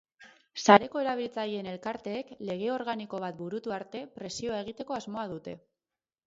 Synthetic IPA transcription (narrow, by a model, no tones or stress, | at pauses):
saɾe̞ko̞e̞ɾaβ̞ilt͡saje̞ne̞lkaɾt̪e̞ːkle̞ɣ̞e̞o̞ɾɣaniko̞β̞at̪̚buɾut̪uaɾt̪e̞pɾe̞sio̞ae̞ɣ̞it̪e̞ko̞azmo̞að̞ut̪e̞